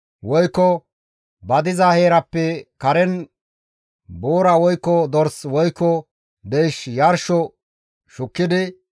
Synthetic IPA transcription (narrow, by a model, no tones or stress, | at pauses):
wɔjkːɔ | bɐd̪ɪzɐheːɾɐpːɛkɐɾɛn | boːɾɐwɔjkːɔd̪ɔɾswɔjkːɔ | d̪ejʃjɐɾʃɔ | ʃʊkːɪd̪ɪ